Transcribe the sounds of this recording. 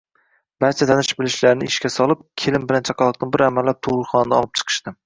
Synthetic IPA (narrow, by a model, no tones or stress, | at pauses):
b̥aɾt͡ʃʰat̪ʰanɪʃbɪlɪʃlaɾɪnɪɪʃkʲasɒlˠɪp̚kʲʰelɪmbɪlant͡ʃʰɑqʰɑlˠɨq̚nɪbɪɾamalːap̚t̪ʰʊʁʊɾχɒnd̪aɒlˠɪp̚t͡ʃʰɨ̥qʰɨ̥ʃt̪ɪ